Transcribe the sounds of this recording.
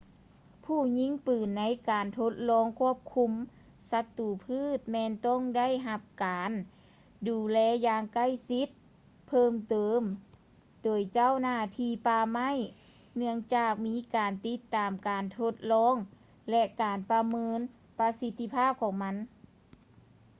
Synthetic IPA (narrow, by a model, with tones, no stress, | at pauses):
pʰuː˧˩ɲi˧˥˨ŋpɯː˨˩nːa˧˥jkaː˨˩nt̪ʰo˧˥t̪̚lɔː˧˥˨ŋkʰu˥˩əp̚kʰu˧˥m | sa˧˥t̪ːuː˨˩pʰɯː˥˩t̪̚mɛː˧nt̪ɔ˧˥˨ŋda˥˨jɦa˧p̚kaː˨n | duː˨˩lɛː˧˥jaː˧ŋka˥˩˨jsi˧˥t̪̚ | pʰɤː˧˩˨mt̪ɤː˨˦m | doː˨˩jt͡ɕa˥˨wnaː˧˩t̪ʰiː˧˩paː˧ma˥˨j | nɯ˧əŋt͡ɕaː˧˩k̚miː˧˥kaː˨˩nt̪i˧˥t̪ːaː˨˩mkaː˨˩nt̪ʰo˧˥t̪̚lɔː˧˥˨ŋ | lɛ˧kaː˨˩npa˧mɤː˧˥n | pa˧˥si˧t̪ːi˧pʰaː˥˩p̚kʰɔː˧˩˦ŋma˧˥n